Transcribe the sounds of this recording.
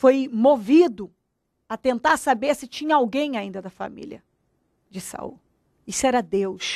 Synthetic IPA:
fojmovid̪ʊ | ɐt̪ẽnt̪aɾsabeɾsɪt͡ʃĩɲɐawɡẽj̃aĩnd̪ɐd̪ɐfa̰mḭljɐ̰ | d͡ʒɪsa̰ṵ | isʊɛɾɐd̪ewʃ

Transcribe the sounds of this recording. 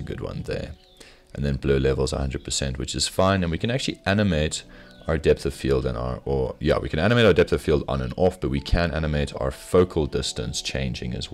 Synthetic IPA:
ɨɡʊ̰d̚wʌ̰̃nðə̰˞ | ʔɨ̃nðɨ̃nblʉʊlɛvl̩ˠzə̰hʌ̃ndɹɨd̚pʰə˞sɛ̰̃nʔwɨt͡ʃɨz̥fãɪ̃nɨ̃nwikʰɨ̃næk̚t͡ʃʉl̩ˠiʔænɨmeɪɾʔaʊə˞dɛp̚θəv̥filˠdə̰̃naə˞əjæ̰wḭkʰɨ̃næñəmeɪaʊə˞dɛp̚θəv̥filˠdnə̰̃nɔfb̥ʌt̚wikʰɨ̃næ̰nɨmeɪɾa̰ʊə˞foʊkʰl̩ˠdɪstɨ̰̃nst͡ʃʰḛ̃ɪ̃nd͡ʒɪ̰̃ŋɨ̰zw

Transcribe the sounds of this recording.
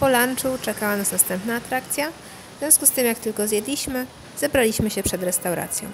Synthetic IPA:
pɔlant͡ʂut͡ʂɛkawanasnast̪ɛmpnaːt̪ɾak̚t̪sʲja | vzvʲɔ̃skust̪ɘmjak̚t̪ɘlkɔzʲjɛd̪lʲiɕmɘ | zɛbɾalʲiɕmɘɕɛpʂɛd̪ɾɛst̪awɾa̰t̪sʲjɔ̰̃w̃

